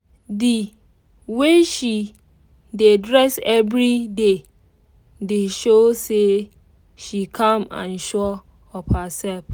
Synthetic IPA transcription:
di | weʃi | dedɾɛsɛvɾide | deʃose | ʃikʰãmã̰nʃɔ | ɔpasɛlf

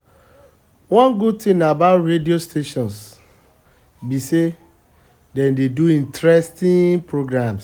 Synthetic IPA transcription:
wɔ̃nɡud̚tĩmabaʊtɾediostʰeʃɔ̃ns | bise | dɛ̃ndeduĩntɾɛstĩŋpɹoɡɹãms

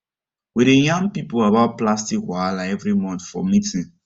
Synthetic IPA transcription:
wiɾejãŋpipolabaʊt̚plastikɦwalaɛvɾimɔ̃nfɔ̰mitʰi

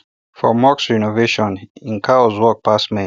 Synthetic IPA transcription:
fɔ̰maksɹinɔveʃɔ̃nĩnkʰazwɔk̚pʰasmẽ

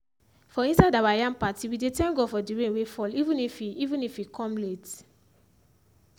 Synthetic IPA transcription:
fɔĩnsadawajãnpatiwidetɛ̃nɡofɔdiɹẽnwefɔlivũnifiivũnifwikʰɔ̃mlet

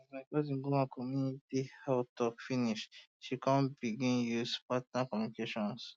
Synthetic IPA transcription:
ɔzmakɔzĩŋɡumãkʰɔmjunitihɛtɔkfiniʃ | ʃikãnbiɡĩnjuspatnakɔmjunikeʃɔ̃ns

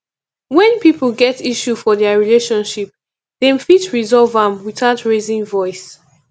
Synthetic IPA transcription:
wɛ̃npipl̩ˠɡɛtiʃufɔðɛəɹileʃɔ̃nʃip̚ | ðẽmfitɹizɔlvãmwiθaʊtʰɹezĩŋvɔɪs

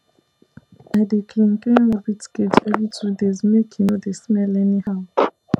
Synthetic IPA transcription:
adekʰĩn̩kɛ̃nwɔbitked͡ʒɛvitʰudezmekʰĩnodesmɛlɛnihaʊ

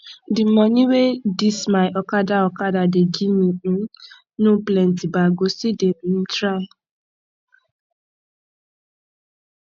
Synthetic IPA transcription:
dɪm̩mɔɲiwedismaɪʔɔkadaɔkadadeɡiɲi | nuplentibaɡosidemn̩tɾa

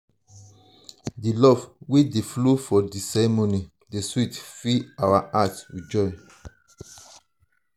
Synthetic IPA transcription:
dilɔvwedeflofɔdisɛɹɛmoni | deswitfiawaʔatwid͡ʒɔj

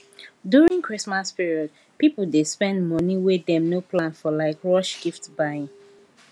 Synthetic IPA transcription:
djuɹĩŋkʰɹ̥ismaspiɹiɔd̚ | pipl̩despɛ̃ndmɔniwɪdɛ̃mnopʰlãnfɔlaɪkɹɔʃɡ̥iftbaɪ̃ŋ

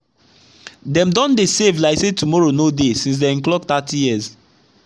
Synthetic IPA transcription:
dɛ̃mdɔ̃ndesevlaɪsetumɔɹonodesĩns̬dɛĩnklɔk̚tatijiz

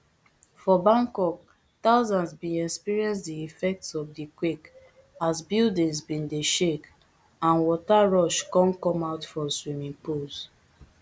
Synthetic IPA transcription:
fɔbãŋkɔk̚ | taʊzãnzbĩɛspiɹiɛ̃nsdiifɛk̚tsɔfdikwek | azbildĩŋzbĩndeʃek | ãnwɔtaɹɔʃkɔ̃nkɔ̃maʊtfɔswimĩŋpuls

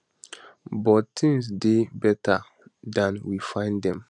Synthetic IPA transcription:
bɔttĩŋsdebɛtʰa | dãnwifãɪ̃ndɛ̃m

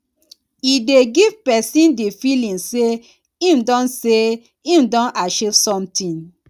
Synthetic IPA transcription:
ideɡiv̥pɛsĩndefilĩŋse | ĩmdɔ̃nse | ĩmdɔ̃naʃevsɔ̃mtĩn

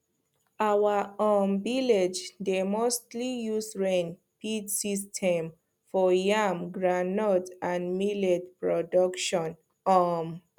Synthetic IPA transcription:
awaɔmbiled͡ʒdemostlijusɹẽn | pidsistʰɛ̃m | fɔjamɡɹanɔtãnmiledpɹɔdɔkʃɔ̃n | ɔm

